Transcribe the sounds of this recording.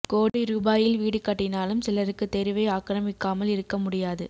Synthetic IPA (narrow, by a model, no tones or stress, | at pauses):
koːɽiɾuːbaːjɪlʋiːɽɯkːɐʈːɪnaːlɯmsɪlɐɾɯkːɯt̪ːɛɾɪʋɐɪaːkɾɐmɪkːaːmɐlɪɾɯkːɐmʊɽɪjaːðɯ